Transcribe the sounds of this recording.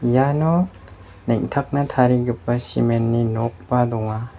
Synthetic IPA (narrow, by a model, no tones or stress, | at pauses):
janɔ | neŋtʰɐk̚nɐtʰaɾiɡipːɐsḭmenːinok̚padɔŋa